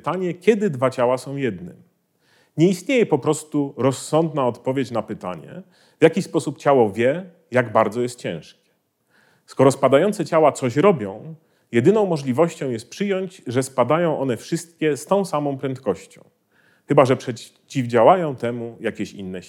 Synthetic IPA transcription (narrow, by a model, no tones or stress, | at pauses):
t̪aɲɛkʲɛd̪ɘd̪vat͡ɕawasɔ̃w̃jɛd̪nɘ̰m | ɲɛist̪ɲejɛpɔpɾɔst̪uɾɔsːɔnd̪naɔt̪pɔvʲjet͡ɕnapɘt̪a̰ɲɛ̰ | vʲjakʲispɔsupt͡ɕawɔvʲjɛ | jaɡbaɾd̪zɔjɛst̪t͡ɕɛ̃w̃ʂkʲɛ̥ | skɔɾɔspad̪ajɔnsɛt͡ɕawat̪sɔɕɾɔbʲjɔ̃w̃ | jɛd̪ɘnɔ̃w̃mːɔʐlʲivɔɕt͡ɕɔ̃w̃jɛst̪̚pʂɘjɔɲd͡ʑʐɛspad̪ajɔ̃w̃ʔɔnɛfʂɘst̪̚kʲɛst̪ɔ̃w̃samɔ̃w̃pɾɛnt̪kɔɕt͡ɕɔ̰̃w̃ | xɘbaʐɛpʂɛ | t͡ɕivd͡ʑawajɔ̃w̃t̪ɛmujakʲɛɕḭnːɛ